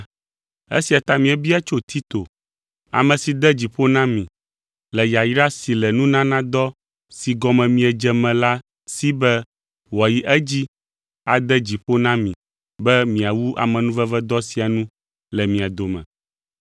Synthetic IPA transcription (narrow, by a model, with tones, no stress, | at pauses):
ḛ˦si˨a˨t̪a˦mĩ˨ɛ˦bi˦a˦t͡ʃo˦t̪ʰi˦t̪o˨ | a̰˨mɛ̃˨si˨d̪ɛ˦d͡ʑi˨ɸo˦nã˦mĩ˨ | lɛ˨ja˨jɾa˦si˨lɛ˨nũ˦nã˦nã˦d̪ɔ˦ | si˨ɡɔ˨mɛ̃˨mĩ˨ɛ˨d͡ʒɛ˨mɛ̃˨la˦ | si˦bɛ˦ | wɔ˨ji˦ʔɛ˦d͡ʑi˦ | a˨d̪ɛ˦d͡ʑi˨ɸo˦nã˦mĩ˨ | bɛ˦mĩ˨a˨wu˦ʔa̰˨mɛ̃˨nũ˦vɛ˦vɛ˦d̪ɔ˦si˨a˨nũ˦ | lɛ˨mĩ˨a˨d̪o˨mɛ̰̃˨